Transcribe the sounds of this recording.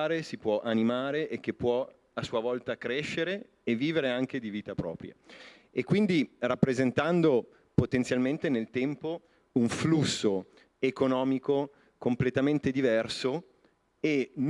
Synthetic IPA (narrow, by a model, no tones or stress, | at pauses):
ɾesipwɔʔanimaːɾeʔek̟ːepːwɔ | asuavɔlt̪akɾeʃːeɾeː | vːiːveɾeaŋk̟ed̪iviːt̪apɾɔ̰ːpɾja̰ | ekːwind̪irapːɾezent̪and̪o | pot̪ent̪sjalment̪enelt̪ɛmpo | uɱflusːo | ekonɔːmiko | komplet̪ament̪ed̪ivɛrso | en